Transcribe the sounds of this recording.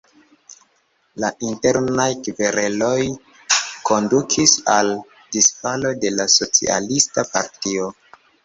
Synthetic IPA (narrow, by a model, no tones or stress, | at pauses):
laʔinte̞ɾnajkiveɾelo̞j | ko̞ndukʰisal | disfalo̞de̞laso̞t͡sḭa̰listapa̰ɾtio̞